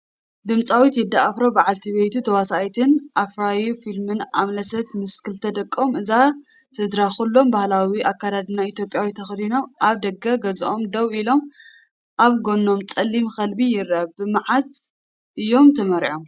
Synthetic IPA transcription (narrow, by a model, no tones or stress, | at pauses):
d̪ɨmt͡sʼawit̪jɪd̪ːaʔafɾobɨʕalt̪ʰiβejt̪ʰut̪ʰɐwasajt̪ʰɨnʔafɾajufilmɨnamlɐsɐt̪mɨskʰɨlt̪ʰɐd̪ɐkʼːomɨza | t̪ʰɨd̪ɾaxulːo̞mbahlawiʔakːaɾad̪ɨnːait̪jo̞pʼjawit̪ʰɐxd̪ino̞mʔaβd̪ɐɡɐɡɐzʔo̞md̪ɐwilo̞m | ʔaβɡo̞nːo̞mt͡sʼɐlːimxɐlbijɪɾɐβɨmaʕaz | ʔɨjːo̞mt̪ʰɐmɐɾʕo̞m